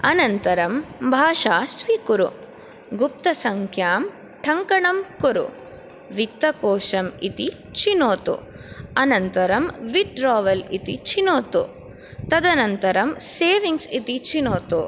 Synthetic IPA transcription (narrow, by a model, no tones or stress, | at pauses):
ɐnɐnt̪ɐɾɐmbʱaːʂaːsʋikuɾṵ | ɡup̚t̪ɐsɐŋkʰjaːm | ʈʰɐŋkɐɳɐmkuɾṵ | ʋit̪ːɐkoːʂɐmit̪i | t͡ʃinoːt̪ṵ | ɐnɐnt̪ɐɾɐmʋiʈɾaːʋɐlit̪ḭt͡ʃinoːt̪u | t̪ɐd̪ɐnɐnt̪ɐɾɐmseːʋiŋɡsit̪it͡ʃinoːt̪u